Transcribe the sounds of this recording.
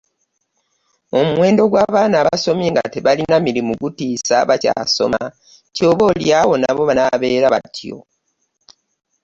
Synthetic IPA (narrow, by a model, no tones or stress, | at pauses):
o̞muwe̞ːndo̞ɡwaːβaːnaβaso̞mjeːŋɡa̰teβalinamiɾimuɡutiːsa̰βaca̰ːso̞̰ma̰ | co̞ːβo̞ljawo̞naβo̞βanaβe̞ːɾaβa̰tjo̞̰